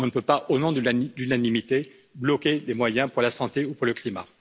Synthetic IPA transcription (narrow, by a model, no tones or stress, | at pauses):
ɔ̃nəpøpaʔonɔ̃d̪d̪ynanimit̪e | blɔkʲelemwajɛ̃puʁlasɑ̃t̪eupuʁləklima̰